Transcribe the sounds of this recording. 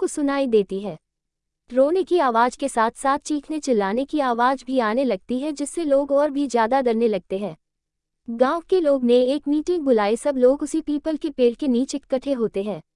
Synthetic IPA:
kosʊnaːid̪eːt̪iɦɛ̃ː | ʈɾoːnekiaːʋaːd͡ʒkesaːt̪ʰsaːt̪̚ʰt͡ʃiːkʰnet͡ʃɪlːaːnekiaːʋaːd͡ʒbʱiaːnelɐɡ̚t̪iɦɛ̃d͡ʒɪsːeloːɡɔːɾbʱizjaːd̪ad̪ɐɾnelɐɡ̚t̪eɦɛ̃ː | ɡãːwkeloːɡneeːkmiːʈɪ̃ŋɡ̚bʊlaːesɐbloːɡʊsipiːpəlkepeːlkeniːt͡ʃɪkːɐʈʰeɦoːt̪eɦɛ̃ː

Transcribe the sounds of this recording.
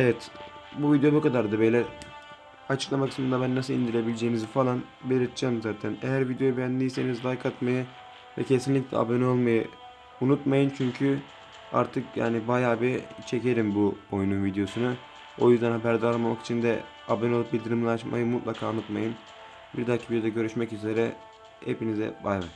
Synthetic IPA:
evɛt̪buvid̪jo̞bukʰad̪aɾd̪ɯbejlʲɛ | at͡ʃʰɯ̥klˠamakʰɯ̥smɯnd̪abænːasɯlˠind̪iɾlʲe̞bilʲed͡ʒeːnizfalˠan | belʲiɾt̪d͡ʒaːmzaːt̪ʰænejæɾvid̪jo̞jubɛjænd̪ijse̞nizlˠajkʰat̪majɯ | vɛ̰cʰe̞sinlʲicʲlʲɛ̰a̰bønolˠmajɯ | unut̪majɯnt͡ʃʰyɲcʰy | a̰ɾt̪ʰɯkʰja̰ːnibajaːbiɾt͡ʃʰe̞ce̞ɾimbuo̞jununvid̪jo̞sunu | o̞̰jyzd̪ænhabæɾd̪aalˠmamaki̥t͡ʃʰind̪ɛ̰ | abenolˠup̚bilʲd̪iɾimlˠaʃma̰jɯmut̪lˠakʰaːunut̪majɯn | biɾd̪acʰi̥vid̪jo̞d̪aɟø̞ɾyʃmɛcyze̞ɾɛ | hḛpinizɛ̰bajan

